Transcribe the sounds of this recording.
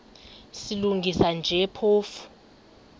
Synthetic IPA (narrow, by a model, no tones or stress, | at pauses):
siluŋɡʱisand͡ʒʱɛpʰoːfu̥